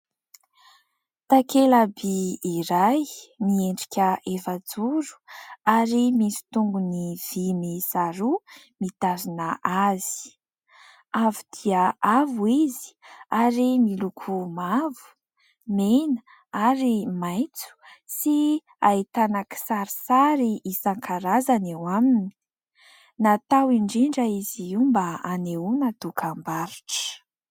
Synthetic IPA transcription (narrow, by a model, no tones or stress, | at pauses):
t̪akelabiːɾajmieɳɖ͡ʐikʲəefad͡zuɾu̥aɾimisi̥t̪uŋɡuniv̥imisaɾu | mit̪azinəʔaz̥i̥ | avid̪̥iaavuizi̥aɾimilukʰumavu̥ | menə | aɾimajt͡su̥si | ait̪anaki̥saɾisaɾiʔisaŋkʰaɾazanewamini̥ | nat̪awiɳɖ͡ʐiɳɖ͡ʐəiziumbəaneunət̪ukʰambaɾiʈ͡ʂə̥